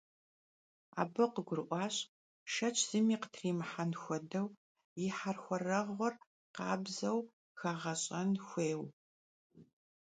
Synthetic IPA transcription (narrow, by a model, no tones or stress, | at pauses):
a̰ːbɨqəɡʷʊrʔʷɑːɕʼ | ʃɐt͡ʃʼʰz̥ɨmiːqə̥tʰriːmħanxʷɔdɐw | jɪħarxʷɔrɐʁʷɔr | qɑːbzɐw | xaːʁɐɕʼɐnxʷeːw